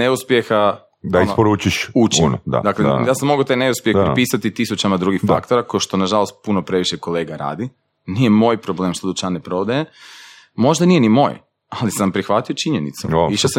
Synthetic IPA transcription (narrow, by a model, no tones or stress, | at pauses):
neuspje̞xa | d̪ainsopoɾuːt͡ʃiʃut͡ʃinod̪a̰d̪aklejaːsamːoɡot̪ajne̞uspjexepɾpisat̪it̪isut͡ʃamad̪ɾuːɡixfa̰kt̪oɾakoʃt̪o̞naʒalo̞st̪̚punopɾe̞ʋiʃeko̞le̞ːɡaɾa̰ːd̪i | nije̞mo̞ːjpɾo̞blˠeːmʃt̪od̪ut͡ʃanepɾo̞ʋd̪aje | mo̞ʒd̪anijenimo̞̰ːj | alisampɾixʋat̪iot͡ʃiɲenḭt̪sṵiʃosa